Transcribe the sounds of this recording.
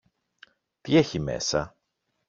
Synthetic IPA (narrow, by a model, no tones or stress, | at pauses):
t̪ie̞çime̞̰sɐ